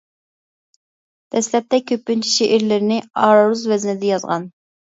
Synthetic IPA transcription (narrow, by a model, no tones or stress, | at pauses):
d̪̥ɛslɛp̚t̪ʰɛkʲʰøpːynt͡ʃʰi̥ʃeʔɪɾlɪɾɪnɪɑːɾɾuzvɛznɪd̪ɛjɑzʁɑ̰n